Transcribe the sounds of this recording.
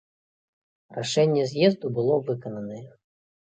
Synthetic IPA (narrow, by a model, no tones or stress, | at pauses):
raʂɛnʲːɛzʲjɛzd̪ubɨlˠɔvɨkɐnɐnɐjɛ